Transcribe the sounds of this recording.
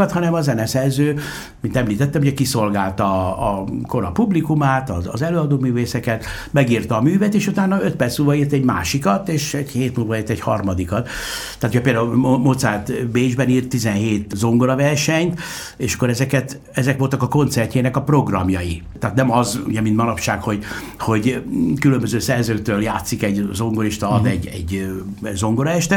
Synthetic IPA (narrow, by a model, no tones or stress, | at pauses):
ɒt̪hɒnɛmɒzɛnɛsɛrzøː | mint̪ɛmliːt̪ɛt̪ːɛmuɟɛkiso̞lɡaːlt̪ɒː | ko̞ɾɒpublikumaːt̪ɒ̰ːzɛløːɒd̪oːmyːveːsɛkɛt̪ | mɛɡiːrt̪ɒːmyːvɛt̪eːʃut̪aːnːɒøt̪̚pɛrt̪smuːlvɒiːrt̪ɛɟma̰ːʃikɒt̪eːʃɛɟheːt̪mulvɒiːrt̪ɛɟhɒ̰rmɒd̪ikɒt̪t̪ːaːt̪ojɛpeːld̪aumot̪saːt̪beːiʒbɛniːrt̪ːizɛnɦeːt̪zo̞ŋɡo̞ɾɒvɛrʃɛɲt̪ | eːʃɒ̥kːoɾɛzɛkɛt̪ | ɛzɛkʋo̞lt̪ɒkɒko̞nt̪sɛrcːeːnɛkɒpro̞ɡrɒmjɒji | t̪aːt̪nɛmɒzṵɟɛmint̪mɒnɒpʃaːkho̞ɟ | ho̞ɟkylømbøzøːsɛrzøːkt̪øːljaːt̪sikɛɟzo̞ŋɡoɾiʃt̪ɒɒd̪ɛɟːɛɟ | zo̞ŋɡoɾɒɛʃt̪ɛ